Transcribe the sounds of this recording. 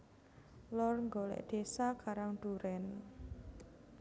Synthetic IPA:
lɔrŋɡolɛ̰ʔd̪̥e̤sakaɾaŋɖ̪̥uɾɛn

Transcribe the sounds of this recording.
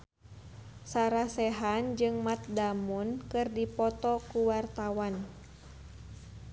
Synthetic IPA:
saɾasɛɦand͡ʒɨŋmat̪̚damunkɨrdipɔt̪ɔkuwart̪awan

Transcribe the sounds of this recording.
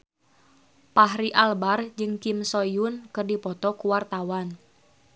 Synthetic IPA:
paɦɾiʔalbard͡ʒɨŋkimsɔjunkɨrdipɔt̪ɔkuwart̪awan

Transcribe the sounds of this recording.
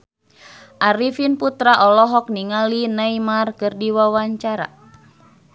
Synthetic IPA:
ʔaɾifinput̪ɾaʔɔlɔɦɔk̚niŋalinaimarkɨrdiwawaɲt͡ʃaɾa̰

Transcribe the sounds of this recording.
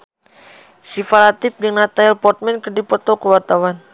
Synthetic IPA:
sifalat̪ɪp̚dɨŋnat̪aɛlpɔrt̪̚mɛnkədipɔt̪ɔkəwart̪awan

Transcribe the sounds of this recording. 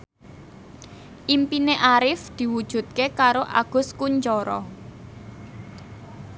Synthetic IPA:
ʔimpineʔaɾɪfd̪̥i̤wud̥ʒ̥ṳt̪̚kekaɾoʔa̰ɡ̥ʊ̤skuɲt͡ʃɔɾɔ

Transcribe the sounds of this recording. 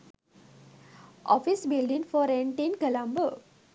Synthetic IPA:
ʔɔfisbilɖĩŋfɔɾẽɳʈinkəlãmbə

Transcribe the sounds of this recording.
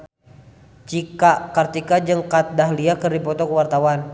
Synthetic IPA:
t͡ʃikakart̪ikad͡ʒɨŋkat̪̚daɦliakərdipɔt̪ɔkəwart̪awan

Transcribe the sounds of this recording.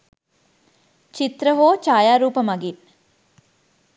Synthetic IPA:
t͡ʃit̪ɾəɦoːt͡ʃaːjaːɾuːpəmɐɡin

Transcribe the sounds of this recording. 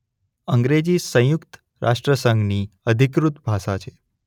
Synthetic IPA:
əŋɡɾed͡ʒisə̃jukt̪ | ɾʔa̰ʃʈɾəsəŋɡniəd̪ʱikɾut̪bʱaʃat͡ʃʰe

